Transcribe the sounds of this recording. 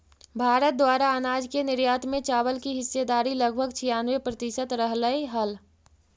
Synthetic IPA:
bʱaːɾət̪̚d̪waːɾaənaːd͡ʒkenɪɾjaːt̪mẽt͡ʃaːbəlkiɦɪsːed̪aːɾiləɡ̚bʱəɡt͡ʃʰijaːnʋepɾət̪ɪʃət̪ɾəɦləeɦəl

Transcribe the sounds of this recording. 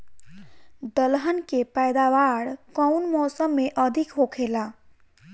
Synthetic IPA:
d̪ʌlɦənkepajd̪awaɽkʌwnmɔsəmːeʔʌd̪ʱikɦokʰela

